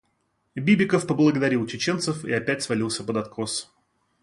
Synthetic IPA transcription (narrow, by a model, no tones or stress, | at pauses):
bʲibʲɪkəfpəblˠəɡəd̪ɐɾʲilˠt͡ɕɪt͡ɕent̪səfḭɐpʲætʲsvɐlʲilˠsʲəpəd̪ɐt̪kos